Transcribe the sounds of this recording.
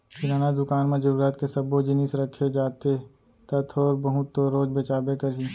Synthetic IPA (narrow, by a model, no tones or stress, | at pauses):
kɪɾaːnad̪ʊkaːnmẽd͡ʒəɾuːɾaːt̪kesɐbod͡ʒɪnɪsɾɐkʰːed͡ʒaːt̪e | t̪ɐt̪ʰɔːɾbəɦʊt̪ːoɾoːd͡ʒbet͡ʃaːbekɐɾi